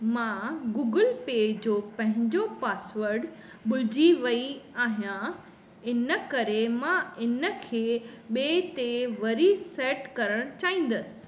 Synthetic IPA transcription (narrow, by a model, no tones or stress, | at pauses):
mãɡuːɡəlpeːd͡ʑoːpɐ̃ɦɪ̃ɲd͡ʑopaːsʋəɾɖ | ɓʊlɪd͡ʑiʋɐiaːɦijã | ɪnə̆kɐɾemãɪnə̆kʰeːɓeːt̪eʋɐɾisɛːʈkɐɾəɽ̃t͡ɕaːĩːn̆d̪əsɪ̥̆